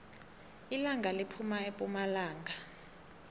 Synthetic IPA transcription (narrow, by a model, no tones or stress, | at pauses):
ilaŋɡʱalipʰumaepʼumalaːŋɡʱa